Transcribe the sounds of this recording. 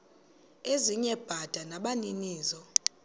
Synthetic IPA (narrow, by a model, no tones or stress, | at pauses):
eziɲɛb̥ʱad̥ʱanaɓaniniːzɔ